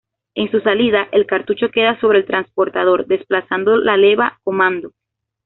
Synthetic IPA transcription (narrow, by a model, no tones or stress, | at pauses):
e̞nsusaliðaʔelkaɾt̪ut͡ʃo̞ke̞ðaso̞β̞ɾeːlt̪ɾanspo̞ɾt̪að̞o̞ɾd̪e̞splasand̪o̞lale̞βako̞mãnd̪o̞